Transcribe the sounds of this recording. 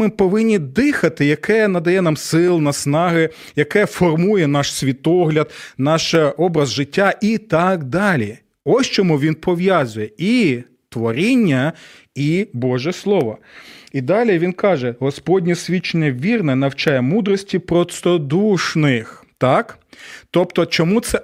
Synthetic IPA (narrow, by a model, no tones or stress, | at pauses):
mɪpɔʋɪnʲːid̪ɪxɐt̪ɪjɐkɛnɐd̪ɐjɛnɑmsɪlˠnɐsnɑɦɪjɐkɛfɔrmujɛnɑʃsʲʋʲit̪ɔɦlʲɐd̪nɑʃɔbɾɐzʒɪtʲːaʔit̪ɑkd̪ɑlʲi | ɔsʲt͡ʃɔmuʋʲinpɔʋjɑzʊjɛi | t̪ʋɔɾʲinʲːɐ | ibɔʒɛslˠɔʋɔid̪ɑlʲiʋʲinkɑʒɛɦɔspɔdʲnʲisʲʋʲit͡ʃenʲːɐʋʲirnɛnɐwt͡ʃɑjɛmud̪ɾɔsʲtʲipɾɔst̪ɔd̪uʃnɪxt̪ɑkt̪ɔpt̪ɔt͡ʃɔmut̪sɛ